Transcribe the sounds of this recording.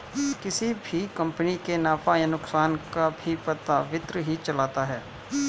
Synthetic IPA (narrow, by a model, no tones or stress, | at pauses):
kɪsibʱikɐ̃mpənikenaːpajanʊksaːnkabʱipɐt̪aʋɪt̪ɾəɦit͡ʃɐlaːt̪aɦɛː